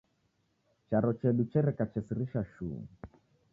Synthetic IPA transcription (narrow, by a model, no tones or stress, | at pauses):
t͡ʃaɾɔt͡ʃɛɗut͡ʃɛɾɛkat͡ʃɛsiɾiʃaʃṵː